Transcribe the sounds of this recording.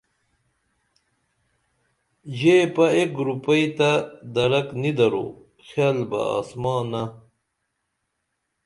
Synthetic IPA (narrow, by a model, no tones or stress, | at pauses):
ʑepɐekɾupɐjt̪ad̪ɐɾɐknid̪ɐɾo̰ | xaːlbɐ̰a̰ːsmɑːna